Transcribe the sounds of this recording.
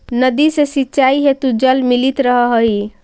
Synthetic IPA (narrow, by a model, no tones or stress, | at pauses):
nəd̪isesitːt͡ʃaiɦet̪ud͡ʒəlmilit̪ɾəɦɔɦoj